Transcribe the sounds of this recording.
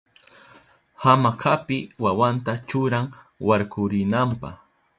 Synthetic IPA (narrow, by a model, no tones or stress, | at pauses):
hamakʰapɪwawant̪at͡ʃʊɾaŋ | waɾkʰʊɾɪnampa̰χ